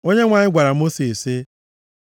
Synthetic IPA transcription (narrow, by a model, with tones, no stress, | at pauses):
o˦ɲe˦ŋʷa˨ɲɪ˦ɡʷa˨ɾa˨mo˦si˨sɪ˦